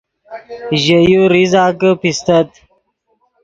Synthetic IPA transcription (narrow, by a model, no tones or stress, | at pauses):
ʑəjuɾizaːkəpist̪ət̪